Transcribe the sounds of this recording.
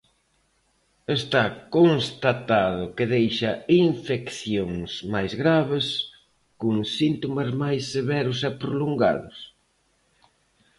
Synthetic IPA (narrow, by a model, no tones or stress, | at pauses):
est̪akonst̪at̪aðʊkɪðejʃɐiɱfekθjoŋsmajzɣɾaβɪs | koŋsint̪omɐzmajsːeβɛɾʊsɛpɾoloŋɡa̰ðʊs